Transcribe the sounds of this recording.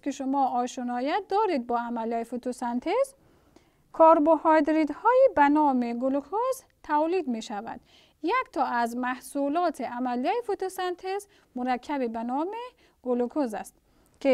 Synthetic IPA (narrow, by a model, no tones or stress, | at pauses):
kiʃumɔːɔʃunɔːjat̪̚d̪ɔːɾid̪̚bɔːamæljaifut̪ʰosænt̪ʰez | kʰɔːɾbohɔjd̪ɾid̪hɔːjibænɔːmeɡulukʰoz | t̪ʰawlid̪meʃævæ̰d̪̥ | jækt̪ʰɔːæzmæhsulɔːt̪ʰeʔamælijaifut̪osant̪ʰez | muɾakʰːæbibænɔːme | ɡ̥ulukʰozæ̰st̪ | kʰi